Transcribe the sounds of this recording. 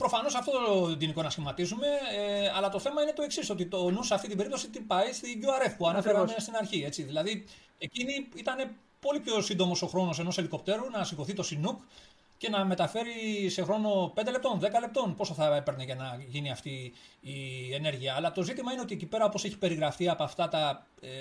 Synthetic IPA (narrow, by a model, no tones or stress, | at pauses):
pɾo̞fɐno̞sɐft̪o̞t̪ood̪iniko̞nɐsçimɐt̪isume̞eɐlɐt̪o̞θe̞mɐine̞t̪o̞eksiso̞t̪it̪onuseɐft̪it̪ibeɾipt̪o̞sit̪ipɐist̪iʝuɐɾe̞fpuɐnɐfeɾanest̪inɐɾçie̞t͡siðilɐði | eciniit̪ɐne̞ | po̞lipço̞sind̪omo̞so̞xɾo̞no̞s̬e̞no̞se̞liko̞p̚t̪e̞ɾunɐsiɡo̞θit̪o̞sinuk | ce̞nɐme̞t̪ɐfe̞ɾise̞xɾo̞no̞pend̪ele̞pt̪o̞nðe̞kɐle̞p̚t̪o̞npo̞soθɐepe̞ɾneʝɐnɐʝiniɐft̪iː | e̞ne̞ɾʝiɐːlɐt̪o̞zit̪imɐine̞o̞t̪iecipe̞ɾɐo̞po̞se̞çi̥pe̞ɾiɣɾɐft̪iɐpoɐft̪ɐt̪ɐ